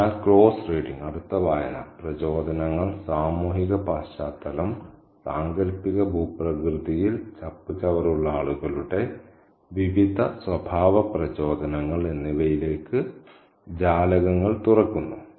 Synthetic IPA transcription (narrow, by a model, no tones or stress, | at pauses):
aːlkɭo̞ːsreːɖiŋɡɐɽut̪ːɐʋaːjɐnɐ̰prɐt͡ɕo̞ːd̪ʱɐnɐŋːɐɭsaːmuːɦiɣɐpaːɕaːt̪ːɐlɐm | saːŋɡɐɾpːiɣɐbʱuːprɐkrɨðijilt͡ɕɐpːit͡ɕːɐʋɐɾuɭːɐaːɭuɣɐɭuɽːe̞ | ʋiʋid̪ʱɐsʋɐbʱaːʋɐprɐt͡ɕo̞ːd̪ʱɐnɐŋːɐɭenːiʋɐjile̞ːkːɨ | d͡ʑaːlɐɣɐŋːɐɭt̪urɐkːunːu